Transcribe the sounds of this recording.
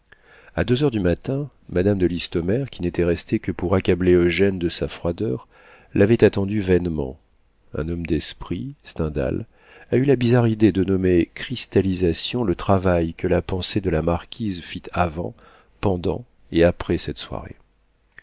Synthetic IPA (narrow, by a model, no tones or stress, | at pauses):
a̰d̪øzœʁd̪ymat̪ɛ̃ | mad̪amd̪əlist̪ɔmɛʁkʲʰinet̪ɛʁɛst̪ekəpuʁakʲableoʒɛnd̪əsafχwad̪œʁ | lʔavɛt̪at̪ɑ̃d̪yvɛnmɑ̰̃ | ɛ̰̃nɔmd̪ɛspχist̪ɛ̃d̪a̰l | aylabizaʁid̪ed̪ənɔmekχist̪alizasjɔ̃lət̪χavajkəlapɑ̃sed̪əlamaʁkʲʰizfit̪ʰavɑ̃ | pɑ̃d̪ɑ̰̃ | eapχɛsɛt̪swa̰ʁḛ